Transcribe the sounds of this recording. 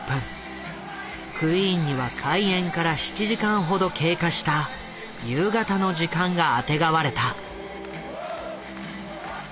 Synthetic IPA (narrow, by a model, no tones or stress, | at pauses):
pɯ̟̃ŋ | kʰɯ̟iɲ̟ːiβakʰaiẽ̞ŋkaɾaɕi̥t͡ɕiʑikãɰ̃ɦo̞d̪o̞kʰe̞ːkaɕi̥t̪a | jɯ̟ːɡat̪ano̞ʑikãŋɡaːt̪e̞ɡaβaɾe̞t̪a